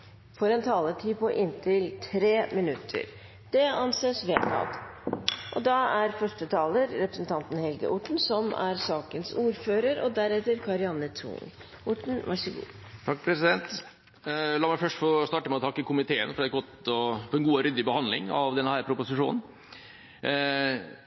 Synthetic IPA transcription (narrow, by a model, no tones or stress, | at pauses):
fɔɾɛnt̪ʰɑːləʈʰiːpɔʔɪnt̪ʰɪlt̪ʰɾeːmɪnʉt̪ʰːə̰ɾ | d̪̥ɛɑnseːsʋeːt̪ɑ̰ːd̪ | ʔɔd̪ɑæɾfœʂʈət̪ʰɑːləɾːɛpɾə̥sn̩t̪ʰɑnt̪n̩hɛlɡə̰ʔʊʈɳ̩sɔmæ̰ɾsɑːkənsuːɾføːɾəɾɔ̰d̪æɾɛt̪ːəɾkʰɑɾɪɑnət̪ʰṵːŋ | ʊʈɳ̩ʋɑʂəɡṵːt̪ʰɑkːpʰɾɛsɪd̪ɛnt̪ | lɑːɾmæɪfœʂʈfɔɾɔst̪ɑːʈəmɛɔt̪ʰɑkːəkʰʊmɪt̪ʰeːə̰nfɔɾɑɛt̪̚ɡɔt̪ɔfɔɾɛnɡuːɾʏd̪ːɪbəhɑnd̪lɪ̰ŋɑ̰ʋd̪ɛnhæːɾpʰɾʊpʊsɪʂuːnn̩